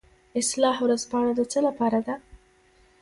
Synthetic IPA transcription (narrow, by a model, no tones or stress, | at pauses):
ɪslɑhwɾazpɑaɽad̪ət͡səlapɑɾad̪a